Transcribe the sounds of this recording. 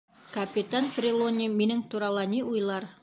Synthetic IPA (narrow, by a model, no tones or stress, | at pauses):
kɐpʲɪt̪anp̪rʲɪlˠonʲiminɘŋt̪uɾɑlˠɑniujlˠɑɾ